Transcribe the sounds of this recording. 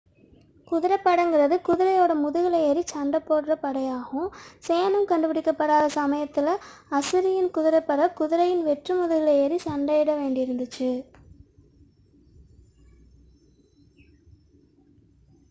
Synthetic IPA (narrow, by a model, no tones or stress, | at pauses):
kʊðɪɾɐpːɐɽɐŋɡɪrɐðɯkʊðɪɾɐjoːɽɐmʊðɯɣɪɭɐɛɾit͡ʃɐɳɖɐpːoːɽrɐpɐɽɐjaːɣɯ̃seːɐnɯmkɐɳɖɯpɪɽɪkːɐpːɐɽaːðɐsɐmɐjɐt̪ːɪlɐɐsɯɾɪjɪnkʊðɪɾɐpːɐɾɐkʊðɪɾɐjɪnʋɛʈrɯmʊðɯɣɪɭɐɛɾit͡ʃɐɳɖɐjɪɽɐʋeːɳɖɪɪɾɯnd̪ɯt͡ʃːɯ